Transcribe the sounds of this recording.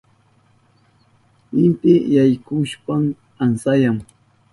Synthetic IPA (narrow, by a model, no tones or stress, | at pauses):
ɪmt̪ɪjajkʊʃpam | ansajaŋ